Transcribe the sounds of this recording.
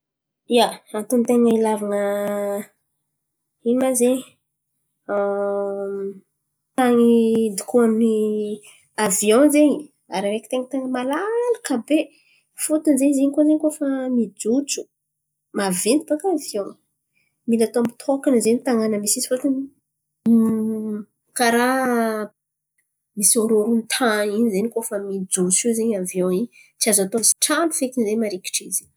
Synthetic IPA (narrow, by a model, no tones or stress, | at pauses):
ijaant̪unt̪eŋəilavanə | inimazeɲi | t̪aŋid̪ikuamni | aviõzeɲi | a̰ɾiɾeki̥t̪eŋt̪eŋəmalalakabe | fut̪unzeɲizeɲikozeɲkofamid͡zut͡su̥ | mavent̪ibakavjõw̃ | milat̪oamit̪ʰokanəzeɲit̪aŋanəmisizi̥fot̪uni | kaɾa | misoɾoɾunt̪ʰãinizenikofəmid͡zut͡sizeɲavjõiɲ | t͡siazat̪oasi̥ʈ͡ʂanu̥fekinzeɲmaɾeki̥ʈ͡ʂizi